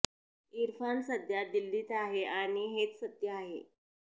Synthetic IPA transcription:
iɾfansəd̪jad̪ilːiːt̪aɦeaɽ̃iɦet̪sət̪jəaɦḛ

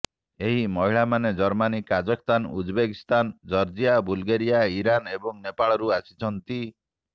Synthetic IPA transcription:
eɦimɔɦiɭamaned͡ʒɔɾmanikad͡ʒɔkst̪anud͡ʒbekist̪and͡ʒɔɾd͡ʒijabulɡeɾijaiɾanebɔŋnepaɭɔɾuasi̥t͡ʃʰɔnt̪i

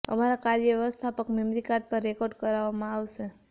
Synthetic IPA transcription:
ə̰maɾakaɾjəʋjst̪ʰapəkmemɾikat̪̚pəɾːekoɾɖkəɾaʋamãaʋʃe

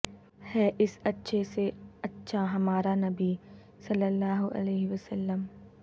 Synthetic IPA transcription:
hɛːʔɪsɐtːʃʰeseɐtːʃʰaɦɐmaːɾanɐbi | sɐlːəlːaːɦʊʔɐ̰leːɦɪʋəsɐlːəm

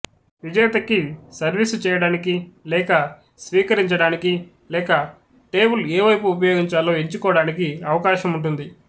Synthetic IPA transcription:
ʋid͡ʒɐjɐt̪ɐkisɐɾʋisut͡ʃɛːjɐɽaːnikilɛːkɐ | sʋiːkɐɾiɲt͡ʃɐɽaːniki | lɛːkɐ | ʈe̞ːbuleːʋɐjpuːp̬ɐjo̞ːɡiɲt͡ʃaːlːoːeɲt͡ʃukɔːɐɽaːnikiɐʋɐkaːʃɐmuɳʈund̪i

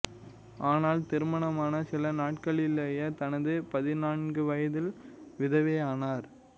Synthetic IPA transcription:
ʔaːnaːlt̪ɪɾɯmɐɳɐmaːnɐsɪlɐnaːʈkɐɭɪleːjɐt̪ɐnɐðɯpɐðɪnaːnɡɯʋɐjɐðɪlʋɪðɐʋeːaːnaːɾ

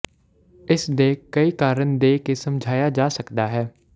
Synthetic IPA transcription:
ɪsd̪eːkəiːkaːɾənd̪eːkeːsəmd͡ʒʱaːjaːd͡ʒaːsəkd̪aːɦɛː

